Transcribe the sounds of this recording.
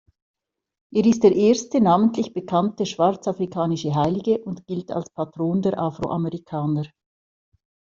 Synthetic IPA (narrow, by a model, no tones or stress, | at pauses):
ʔeːɐɪstd̥eːɐʔeːɐstənaːməntlɪçb̥əkʰantəʃv̥aʁt͡safʁikʰaːnɪʃəɦaɪlɪɡəʔʊntɡ̥ɪlta̰lspʰatʁ̥oːndeːɐʔafʁo̰ʔaməʁikʰaːnəʁ